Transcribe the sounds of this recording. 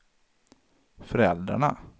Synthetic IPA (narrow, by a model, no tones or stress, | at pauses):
fœɾɛld̪ɾa̰ɳa̰